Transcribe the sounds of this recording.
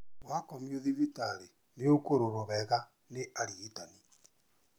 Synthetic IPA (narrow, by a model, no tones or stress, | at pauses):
wakɔmioðivitaɾe | neokoɾoɾoβɛɣa | neʔaɾietani